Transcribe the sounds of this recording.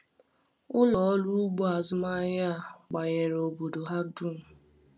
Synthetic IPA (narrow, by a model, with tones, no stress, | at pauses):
ʊ˦lɔ˨ɔ˦lu˦ʊ˦ɡ͡bo˦a˨zʊ˦ma˦ja˦a˦˨ɡ͡ba˨ɲe˨ɾo˨bo˨do˨ɦa˦du˦n̩˨